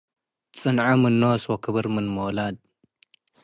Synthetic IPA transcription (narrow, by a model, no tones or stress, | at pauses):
t͡sʼɨnʕamɨnːoswokʰɨβɨɾmɨnmolad̪̚